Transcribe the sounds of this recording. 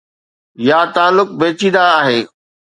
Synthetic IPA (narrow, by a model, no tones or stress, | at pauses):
jaːt̪aːlʊk̚beːt͡ɕĩːn̆d̪aːɦeː